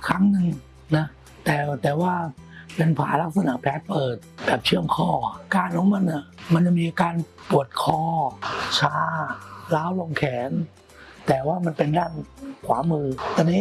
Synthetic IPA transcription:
kʰɾa˦˥ŋnɯ˧ŋ | na˦˥ | t̪ɛː˨˩t̪ɛː˨˩waː˥˩pe˧npʰa̰ː˩˦la˦˥k̚sa˧naː˨˩˦pʰɛː˦˥t̪̚pɤː˨˩t̪̚bɛː˨˩p̚t͡ɕʰɯ˥˩əmkʰɔː˥˩kaː˧nkʰɔ˨˦ŋma˧nʔa˨˩ma˧nt͡ɕa˨˩miː˧a˧kaː˧n | pu˨˩ət̪̚kʰɔː˧t͡ɕʰaː˦˥laː˦˥wlo˧ŋkʰɛː˩˦n | t̪ɛː˨˩waː˥˩ma˧npe˧ndaː˥˩nkʰwaː˩˦mɯː˧t̪aː˧niː˦˥

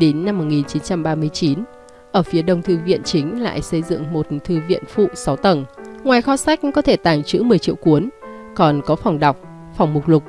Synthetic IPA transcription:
ɗe˨˦nːa˧mːo˨˩t̚ŋi˨˩nt͡ɕi˨˦nt͡ɕa˧mɓaː˧mɨ˧əjt͡ɕi˨˦n | ʔəː˧˩fi˨˦ɗə˧wŋ͡mt̪ʰɨ˧vḭ˧˨ənt͡ɕï˨˦ŋ̟la̰ː˧˨jsə˧jzɨ̰˧˨ŋmo˨˩t̚t̪ʰɨ˧vḭ˧˨ənfṵ˧˨sa˨˦wt̪ə˧˩nŋwaː˨˩jxɔ˧˦sa˦˥jk̟̚kɔ˨˦t̪ʰe˧˩t̪aː˧˩ŋt͡ɕɨ̰˧˥mɨ˨˩əjt͡ɕḭ˧əwku˨˦ənkɔ˨˩nkɔ˨˦fa˨˩wŋ͡mɗa˨˩wk͡p̚ | fa˨˩wŋ͡mmʊ˨˩k͡p̚lʊ˨˩k͡p̚

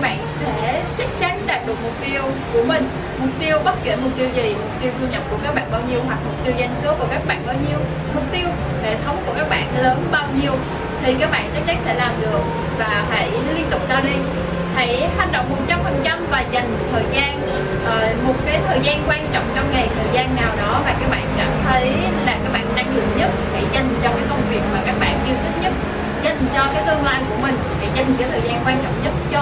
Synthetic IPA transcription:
ɓa̰ː˧˨nsɛ̰˧˥t͡ɕa˦˥k̚t͡ɕa˨˦ŋ̟ɗaː˨˩p̚ɗɨ˨˩ək̚mʊ˨˩k͡p̚t̪i˧əwku˧˩əmï˨˩ŋ̟ | mʊ˨˩k͡p̚t̪i˧əwɓə˦˥t̚kɛ˧˩mʊ˨˩k͡p̚t̪i˧əwzi˨˩mʊ˨˩k͡p̚t̪i˧wt̪ʰu˧ɲə˧˩wp̚ku˧˩kaː˦˥k̚ɓa̰ː˧˨nɓaː˧wɲi˧əwɦwa˨˩k̚mʊ˨˩k͡p̚t̪i˧əwza˧jŋ̟su˨˦əku˧˩əkaː˦˥k̚ɓa̰ː˧˨nɓaː˧wɲi˧əw | mʊ˨˩k͡p̚t̪i˧əw | hḛ˧˨t̪ʰə˨˦wŋ͡mku˧˩əkaː˦˥k̚ɓa̰ː˧˨nləː˨˦nɓaː˧wɲi˧əw | t̪ʰi˨˩kaː˦˥k̚ɓa̰ː˧˨nt͡ɕa˦˥k̚t͡ɕa˨˦ŋ̟sɛ̰˧˥laː˨˩mɗɨ˨˩ək̚ | vaː˨˩faː˧˦j | li˧ənt̪ʊ˨˩k͡p̚t͡ɕɔ˧ɗi˧ | t̪a˧˩jha˨˩jŋ̟ɗə̰˧˨wŋ͡mmo˨˩t̚t͡ɕa˧mfə˨˩nt͡ɕa˧mvaː˨˩za˨˩jŋ̟mo˨˩t̪̚ʰəː˨˩jzaː˧n | ʔəː˨˩mo˨˩t̚kaː˨˦jt̪ʰəː˨˩jzaː˧nkwaː˧nt͡ɕɔ̰˧˨wŋ͡mt͡ɕɔ˧wŋ͡mŋa˨˩jt̪ʰəː˨˩jzaː˧nːaː˨˩wɗɔ˨˦vaː˨˩kaː˦˥k̚ɓa̰ː˧˨nka̰˧˩nt̪ʰə˨˦j | laː˨˩kaː˦˥k̚ɓa̰ː˧˨nːa˧ŋlɨ̰˧˨əŋɲə˦˥t̚ha˧˩jza˨˩jŋ̟t͡ɕɔ˧wkaː˨˦jkə˧wŋ͡mvi˨˩ək̚maː˨˩kaː˦˥k̚ɓa̰ː˧˨nʔi˧wt̪ï˨˦ŋ̟ɲə˦˥t̚ | za˨˩jŋ̟t͡ɕɔ˧kaː˨˦jt̪ɨ˧əŋlaː˧jku˧˩əmï˨˩ŋ̟faː˨˧˩jza˨˩jŋaː˨˦jt̪ʰəː˨˩jzaː˧nkwaː˧nt͡ɕɔ̰˧˨ŋ͡mɲə˦˥t̚t͡ɕɔ˧

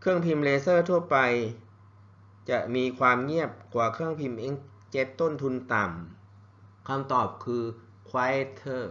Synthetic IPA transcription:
kʰɯ˥˩əŋpʰi˧mleː˧sɤː˥˩t̪ʰu˥˩ɐpa˧j | t͡ɕa˨˩ʔmiː˧kʰwaː˧mŋi˥˩əp̚kʰwaː˩˦kʰɯ˥˩əŋpʰi˧mʔe˧˥ŋ | t͡ɕe˦˥t̪ːo˥˩nt̪ʰu˧nt̪a˨˩m | kʰa˧mt̪ɔː˨˩p̚kʰɯː˧ | kʰwaː˧˥e˦˧˥t̪ʰɤː˥˩

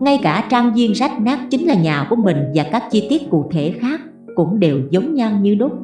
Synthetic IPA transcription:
ŋa˧jkaː˧˩t͡ɕaː˧ŋzi˧əŋza˦˥jk̚naː˦˥k̚t͡ɕï˨˦ŋ̟laː˨˩ɲaː˨˩ku˧˩əmï˨˩ŋ̟vaː˨˩kaː˦˥k̚t͡ɕi˧t̪i˦˥ət̚kṵ˧˩k̚t̪ʰe˧˩xaː˦˥kː | ʊ̰˧˥ŋ͡mɗe˨˩wzə˨˦wŋ͡mɲa˧ŋɲɨ˧ɗʊ˦˥k͡p̚

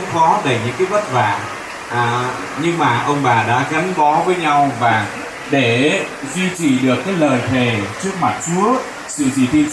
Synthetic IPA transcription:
fɔ˨˦ɗə˧˩jɲɨ̰˧˥ŋkaː˨˦jvə˦˥t̚va̰ː˧˩˨ | ʔː | ɲɨ˧ŋmaː˨˩ʔə˧wŋ͡mɓaː˨˩ɗa̰ː˧˥ɣa˨˦ŋɓɔ˨˦vəː˨˦jɲa˧wvaː˨˩ | ɗe˧˩ | zwi˧t͡ɕḭ˧˩ɗɨ˨˩əkːaː˨˦jləː˨˩jt̪ʰe˨˩t͡ɕɨ˦˥ək̚ma˨˩t̚t͡ɕu˨˦ə | sɨ̰˧˨zḭ˨˩t̪ʰi˧ən

